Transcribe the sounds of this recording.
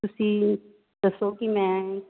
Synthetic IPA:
ʊsi | d̪ɐsokimɛ̃

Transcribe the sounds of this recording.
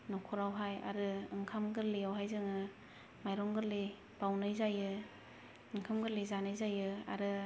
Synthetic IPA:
nɔkʰɔɾawɦaja̰ɾɯɯŋkʰamɡɯɾlijawɦajzɯŋɯ | majɾɔŋɡɯɾli | b̥awnɯjzajɯ | ɯŋkʰɯmɡɯɾlizanɯjzajɯa̰ɾɯ

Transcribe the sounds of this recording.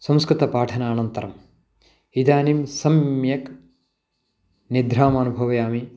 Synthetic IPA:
sɐmskɾɪt̪ɐpaːʈʰɐnaːnɐnt̪ɐɾɐm | id̪aːnimsɐmjɐk | nid̪ɾaːmaːnubʱɐʋɐjaːmi

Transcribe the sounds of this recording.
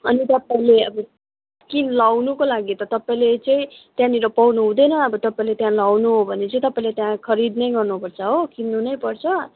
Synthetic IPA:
ʌnit̪ʌpaĩleʌbʌ | kilawnukolaɡit̪ʌt̪ʌpaĩlet͡sʌĩt̪jãniɾʌpawnuɦũd̪ʌjnʌʌbʌt̪ʌpaĩlet̪jãlawnuɦobʱʌnet͡sʌĩt̪ʌpaĩlet̪jãkʰʌɾid̪nʌjɡʌrnupʌrt͡sʰʌɦokinːunʌjpʌrt͡sʰʌ

